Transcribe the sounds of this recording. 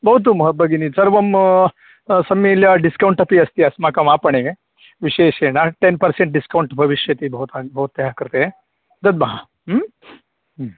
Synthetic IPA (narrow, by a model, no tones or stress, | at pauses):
bʱɐɦut̪̬umɦɐbʱɐɡinisɐɾʋɐm | sɐmiljɐɖiskɐwuɳʈɐpiɐst̪iɐsmakɐmaːpɐɳeʋe | ʋiʃeːʃenaʈenpɐɾseɳʈ̚ɖiskɐwɳʈbʱɐʋiʃjɐt̪ibʱɐut̪abʱɐɦut̪ːɐɦakɐɾt̪e | d̪ɐd̪̚mɐɦa | m